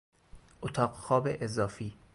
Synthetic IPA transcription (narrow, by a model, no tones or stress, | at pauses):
ʔot̪ʰɒːɢxɒːbeʔezɒːfiː